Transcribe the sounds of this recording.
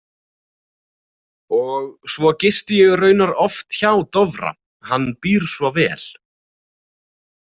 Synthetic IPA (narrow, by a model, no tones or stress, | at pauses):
ɔɣsvɔcɪst̪ɪjɛɣʏrœːɥnaɾɔft̪çaːwt̪ɔvɾa̰ | hanːpiːɾ̥svɔvɛ̰ːl̥